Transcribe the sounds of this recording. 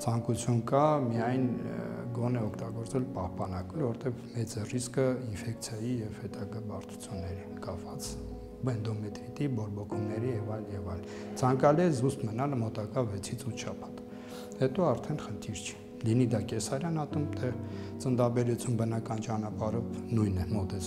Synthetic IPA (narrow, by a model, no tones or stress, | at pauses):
t͡sʰɑŋkut͡sʰjunkɑmijɑjnɡɔnɛɔkʰt̪ɑɡɔɾt͡sɛlpɑhpɑnɑkulvɔɾt̪ɛvmɛt͡sriskəinfɛkt͡sʰjɑjijɛvhɛt̪ɑɡɑbɑɾt͡sʰu̥t͡sʰjunːɛɾikɑpvɑt͡s | bɛnd̪ɔmɛt̪ɾit̪ibɔɾbɔkʰumnɛɾijɛvɑjlnjɛvɑjl | t͡sʰɑŋkɑliɛzust̪mənɑlmɔt̪ɑkɑvɛt͡sʰit͡sʰut̪ʰʃɑpʰɑ̥t̪ | hɛt̪ɔɑɾt̪ʰɛnχənt̪ʰiɾt͡ʃʰɛ̥ | linid̪ɑkɛsɑɾjɑnhɑt̪umt̪ʰɛt͡sənd̪ɑbɛɾut͡sʰjumbənɑkɑnt͡ʃɑnɑpɑɾɔvnujnɛmɔt̪ɛt͡sʰ